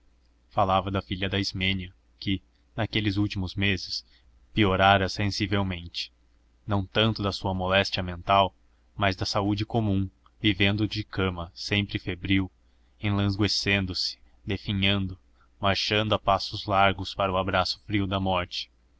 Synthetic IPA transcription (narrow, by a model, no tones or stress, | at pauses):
falavɐd̪ɐfiʎɐd̪ɐizmẽniɐ | kɪ | nɐkelɪzuwt͡ʃimʊzmezɪs | pioɾaɾɐsẽsivewmẽnt͡ʃɪ̥ | nɐ̃w̃t̪ɐ̃nt̪ʊd̪ɐsuɐmolɛst͡ʃiɐmẽnt̪aw | mɐzd̪ɐsaud͡ʒɪkomũ | vivẽnd̪ʊd͡ʒɪkɐ̃mɐsẽmpɾɪfebɾiw | ẽlɐ̃zɡwesẽnd̪ʊsɪ̥ | d̪efiɲɐ̃nd̪ʊ | maɾʃɐ̃nd̪ʊapasʊzlaɾɡʊspaɾɐʊabɾasʊ̥fɾiʊd̪ɐmɔɾt͡ʃɪ̥